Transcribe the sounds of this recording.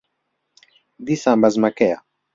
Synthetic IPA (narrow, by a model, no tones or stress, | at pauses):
d̪isambazmakea̰